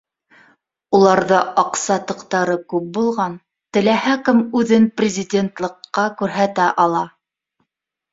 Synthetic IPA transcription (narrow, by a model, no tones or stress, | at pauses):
ulˠɑɾðɤʔɑqsɑt̪ɤ̆qt̪ɑɾɤkʉp̚bulˠʁɑn | t̪ɘ̆læhækɘmʉðɘnprʲɪzʲɪdʲent̪lˠɤ̆qːɑkʉɾɦæt̪æʔɑlˠɑ